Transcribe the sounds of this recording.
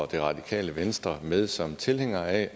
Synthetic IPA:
ɒd̥e̝ʁɑ̈d̥ikʰɛ̰ːləʋensd̥ʁɐmeð̞ˠsɒ̽mt͡sʰe̝leŋ̰ɐɛ

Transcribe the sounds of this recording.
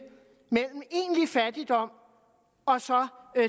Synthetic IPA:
mel̰m̩e̝ːnlifæd̥id̥ɒ̽m̰ | ɒ̽sɒ̽

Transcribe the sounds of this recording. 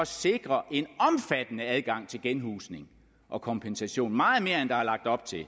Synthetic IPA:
ɒ̽se̝ɡ̥ʁɐʔe̝nɒ̽mfæd̥ənəæð̞ˠɡ̥ɑ̈ŋ̰t͡sʰe̝lɡ̥enɦṵːsne̝ŋ | ʔɒ̽kʰɒ̽mpʰensæɕo̝̰ːnmɑ̈ːð̩ˠme̝ːɐend̥ɑ̈ælɑ̈ɡ̥̚d̥ɒ̽b̥̚t͡sʰe̝l

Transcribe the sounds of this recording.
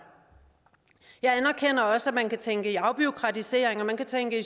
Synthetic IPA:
jɑ̈ɪænɐkʰen̰ɐɒ̽səæmænkæt͡sʰeŋɡ̥əiɑ̈ʊb̥iokʰʁɑ̈t͡sʰise̝ːɐ̰eŋɒmænkʰæt͡sʰeŋɡ̥əi

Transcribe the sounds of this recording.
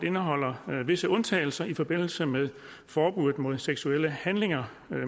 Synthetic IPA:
e̝nəɦɒ̽l̰ɐʋe̝səɔ̽nt͡sʰɛ̰ːɪl̩sɐʔifɒ̽b̥e̝n̰l̩səmeðˠ | fɒːb̥uð̩ˠmo̝ð̞̰ˠseɡ̥sueləhænle̝ŋɐ

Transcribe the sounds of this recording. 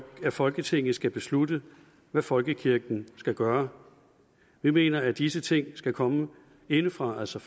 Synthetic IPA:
æfɒ̽lɡ̥ət͡sʰe̝ŋ̰n̩sɡ̥æb̥e̝slud̥ə | ʋæfɒ̽lɡ̥əkʰiɐɡ̥n̩sɡ̥æɡ̥ɶːɐ | ʋime̝̰ːnɐæd̥isət͡sʰe̝ŋ̰sɡ̥ækʰɒ̽mə | e̝nəfʁɑ̈ælsɒ

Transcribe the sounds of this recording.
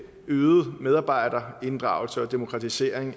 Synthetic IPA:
øːð̩ˠmeð̞ˠɑ̈ːb̥ɑ̈ɪ̰dɐe̝nd̥ʁɑ̈ʊ̰lsəɒ̽d̥e̝mo̝kʰʁɑ̈t͡sʰise̝̰ːɐ̰eŋ

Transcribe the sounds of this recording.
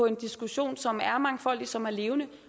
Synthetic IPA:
ɒ̽e̝nd̥isɡ̥uɕo̝̰ːnsɒ̽mæɐmɑ̈ŋəfɒ̽l̰d̥isɒ̽mæɐle̝ːʊnə

